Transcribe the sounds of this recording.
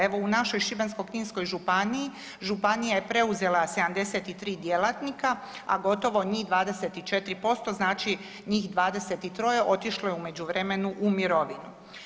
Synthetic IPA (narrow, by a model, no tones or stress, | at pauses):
eʋo̞unaʃo̞jʃibensko̞kɲiːnsko̞jʒupanii | ʒupanijaje̞pɾe̞uze̞lase̞d̪amd̪e̞set̪it̪ɾiːd̪je̞lat̪nika | a̰ɡo̞t̪o̞ʋo̞ɲiːd̪ʋaːd̪e̞set̪it͡ʃe̞t̪ɾipo̞st̪o̞znaːt͡ʃi | ɲiːxd̪ʋaːd̪e̞set̪it̪ɾo̞jeʔo̞t̪iʃlojeume̞d͡ʑuʋɾeme̞nuʔumiɾo̞ʋinu